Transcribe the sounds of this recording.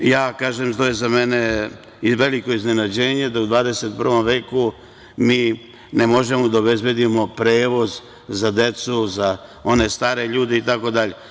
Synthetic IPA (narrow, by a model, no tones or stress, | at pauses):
jaːkaːʒemt̪ojezamene | iʋe̞liko̞izne̞nad͡ʑeːɲe̞d̪aud̪ʋaːd̪eset̪̚pr̩ʋo̞mʋe̞ːku | miː | nemo̞ʒe̞mod̪aobe̞zbjed̪imo̞pɾeːʋo̞z | zad̪e̞t̪suzao̞ne̞st̪aːɾeʎuːd̪eit̪ako̞d̪aʎe̞